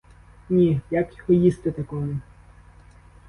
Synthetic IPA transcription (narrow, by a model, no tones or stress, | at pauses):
nʲijakjɔhɔjist̪ɪt̪ɐkɔmʊ